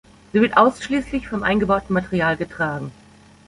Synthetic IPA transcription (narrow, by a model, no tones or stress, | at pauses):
z̥iːvɪɐtʔaʊsʃliːslɪçfɔmʔa̰ɪnɡəbaʊtn̩matəʁiaːlɡətʁ̥aːɡŋ̩